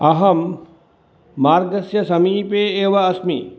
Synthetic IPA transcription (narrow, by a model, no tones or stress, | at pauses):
ɐɦɐm | aːɾɡɐsjɐsɐmiːpeːeːʋɐɐsmḭ